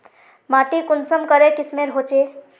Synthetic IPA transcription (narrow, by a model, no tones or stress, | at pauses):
maʈikunsəmkəɾekismeɾɦot͡ʃe